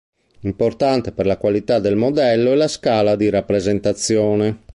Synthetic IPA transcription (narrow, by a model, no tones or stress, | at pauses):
import̪ant̪eperlakwalit̪ad̪ːelmɔd̪ɛlːoɛlaskaːlad̪iɾapːɾezent̪at̪sːjɔːnɛ